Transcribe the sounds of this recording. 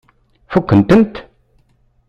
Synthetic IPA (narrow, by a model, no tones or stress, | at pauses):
fɔkːənt̪ənt̪